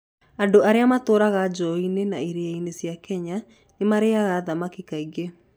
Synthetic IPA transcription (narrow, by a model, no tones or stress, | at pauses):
andoaɾeamatoːɾaɣad͡ʒɔinenaiɾeainesjakʰɛɲa | nemaɾeaɣaðamakikaiɣe